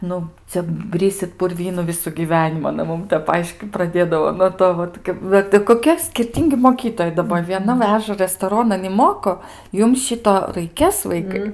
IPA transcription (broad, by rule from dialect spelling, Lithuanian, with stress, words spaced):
ˈnʊ ˈt͡sʲɛ ˈbʲrʲɪsʲɪt pʊrʲˈʋʲiːnʊ ˈʋʲɪsʊ ɡʲiːˈʋʲæːnʲɪmʊ ɐˈnɐ ˈmʊm ˈtʲɛp ˈɐɪʃʲkʲiːt prɐˈdʲeːdɐʋoː nuɔ ˈtoː ʋɐt ˈʋɐt ɪ koːˈkʲiɛ sʲkʲɪrʲˈtʲiːŋʲɡʲɪ moːˈkʲiːtoːjɛɪ dɐˈbɐ ʋʲiɛˈnɐ ˈʋʲæːʒɐ rʲɛstoːˈroːnɐn ɪ ˈmoːkoː ˈjʊm ˈʃʲɪtoː rɐɪˈkʲeːs ˈʋɐɪkɐɪ